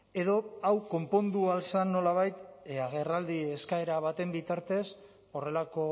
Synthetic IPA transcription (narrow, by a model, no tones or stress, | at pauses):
e̞ðo̞awko̞mpo̞nd̪ualsanːo̞laβ̞ajt̪aɣ̞e̞rald̪ie̞skae̞ɾaβ̞at̪e̞mbit̪aɾt̪e̞s | o̞re̞lako̞